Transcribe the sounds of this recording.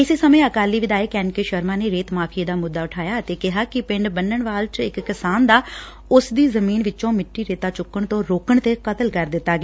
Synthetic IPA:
ɪseːsəmẽːəkaːliːʋɪd̪aːeːkɛːnkeːʃəɾmãːneːɾeːt̪maːpʰieːd̪aːmʊd̪ːaːʊʈʰaːjaːət̪eːkɪɦaːkɪpɪɳɖbənəɳʋaːlt͡ʃɪkːɪsaːnd̪aː | ʊsd̪iːzəmiːnʋɪt͡ʃõːmɪʈːiːɾeːt̪aːt͡ʃʊkːəɳt̪õːɾoːkəɳt̪eːkət̪əlkəɾd̪ɪt̪ːaːɡeː

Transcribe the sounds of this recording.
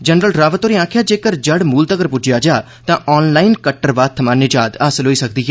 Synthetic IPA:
d͡ʒənɾəlɾaːʋət̪oːɾiːãːkʰjaːd͡ʒeːkəɾd͡ʒəɽmuːlt̪əɡəɾpʊd͡ʒjaːd͡ʒaː | t̪ãːʔɔːnlaːɪnkəʈːəɾʋaːt̪ʰːəmaːnɪd͡ʒaːd̪aːsəlɦoːiːsək̚d̪iːɦɛː

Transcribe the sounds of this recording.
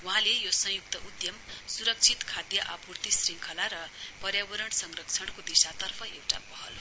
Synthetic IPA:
wuɦãlejosʌ̃ŋjuk̚t̪ʌʔud̪jʌmsuɾʌk̚t͡sʰit̪kʰad̪jʌʔapurt̪isriŋkʰʌlaɾʌpʌrjabʌɾʌɳsʌŋrʌk̚t͡sʰʌɽkod̪isat̪ʌrpʰʌewʈa̰bʌɦʌl

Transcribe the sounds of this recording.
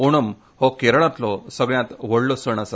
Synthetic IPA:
uɽ̃əm | hɔkeɾɭ̃ãt̪lɔsəɡɭjãt̪ʋəɽlɔsəɳ̃asa

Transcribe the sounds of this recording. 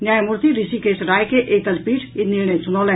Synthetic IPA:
njajmuɾt̪iɾisikesɾajkeʔet̪alpiɾit̪ninensunɔlɛ

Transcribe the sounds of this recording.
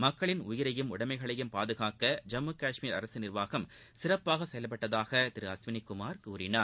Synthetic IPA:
mɐkːɐɭɪnʊjɪɾɐjɯmʊɽɐmɐɪɣɐɭɐjɯmpaːðɯɣaːkɐd͡ʒɐmːɯkaːʂmiːɾɐ̰ɾɐsɯnɪrʋaːɣɐm | sɪrɐpːaːɣɐsɛjɐlɐp̬ːɐʈːɐðaːɣɐt̪ɪɾɯɐsʋɪnɪkʊmaːɾkuːɾɪnaːɾ

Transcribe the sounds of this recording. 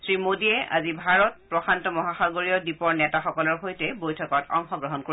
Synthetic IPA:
sɹimodiɛʔa̰zibʱaɹɔt̚pɹɔxantɔmɔɦaxaɡoɹiɔdipɔɹnɛtaxɔkɔlɔɹxojtɛbojtʰɔkɔtɔ̰ŋxɔɡɹɔɦɔnko

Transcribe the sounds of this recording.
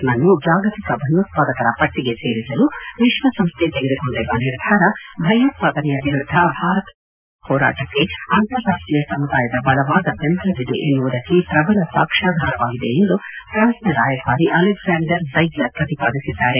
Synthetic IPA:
nɐnːud͡ʒaːɡɐt̪ikɐbʱɐjɐːt̪paːd̪ɐkɐɾɐpɐʈːiɡe̞se̞ːɾisɐluʋiʂʋɐsɐmst̪ʰet̪eɡed̪ukoɳɖiɾɐniɾd̪ʱaːɾɐbʱɐjɐːt̪̚paːd̪ɐnɛjɐʋiɾud̪ʱːɐbʱaːɾɐt̪ | hɔːɾa̰ːʈɐkːe̞aːnt̪ɐɾjaːʂʈɾijɐsɐmːud̪aːjɐd̪ɐbɐlɐʋaːd̪ɐbend̪ɾɐʋid̪ḛʔenːuʋud̪ɐkːipɾɐbɐlɐsaːkʂaːd̪ʱaːɾɐʋaːɡid̪e̞end̪upɾaːnsnɐɾaːjɐbʱaːɾiʔɐlɛɡzaːɳɖɐɾsɐjɡlɐkɐt̪ipaːd̪isid̪ːaːɾe

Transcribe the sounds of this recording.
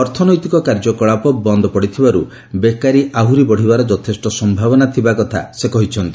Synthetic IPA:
ɔɾt̪ʰɔnɔjt̪ikɔkaɾd͡ʒɔkɔɭapɔbɔnd̪ʱɔpɔɽit̪ʰibaɾu | bekaɾiʔaɦuɾibɔɽ̤ibaɾɔd͡ʒɔt̪ʰesʈɔsɔmbʱabɔnat̪ʰibakɔt̪ʰa̰sekɔɦit͡ʃʰɔnt̪i

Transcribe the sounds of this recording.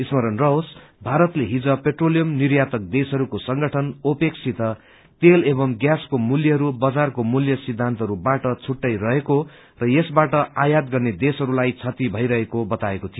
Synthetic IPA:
ismʌɾʌnrʌos | bʱaɾʌt̪leɦid͡zʌpeʈrolijʌmnirjat̪ʌk̚d̪esɦʌɾukosʌŋɡʌʈʰʌnopeksʰit̪ʌ | t̪elebʌmɡjaskomuljʌɦʌɾubʌd͡zarkomuljʌsid̪ʱːant̪ʌɦʌɾubaʈʌt͡sʰuʈːʌjrʌɦeko | rʌjesbaʈʌajad̪ɡʌrned̪esʌɾulajt͡sʰʌt̪ibʱʌjɾʌɦekobʌt̪aekot̪ʰijo

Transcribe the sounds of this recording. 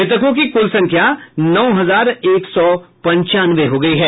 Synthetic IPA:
ɪt̪̬əkõk̬ikʊlsɐ̃ŋkʰjanɔːɦɐzaːɾeːksɔpɐ̃ɲt͡ʃaːnʋeɦoɡɐiɦɛː

